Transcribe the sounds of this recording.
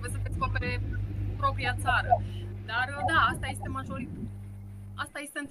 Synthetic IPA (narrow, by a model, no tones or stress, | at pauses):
beesəd̪eskopeɾe̞pɾo̞pɾiat̪saɾəd̪ard̪aast̪aje̞st̪e̞maʒo̞ɾi | ast̪aje̞st̪eɨn